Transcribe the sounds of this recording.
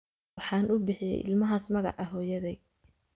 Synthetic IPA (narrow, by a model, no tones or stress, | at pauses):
ħɑːnʔʊbɪħɪjɛ̰jʔɪ̰lmɐɦaːsmɐɣɑ̰ʕɑɦɔːjɐðɛj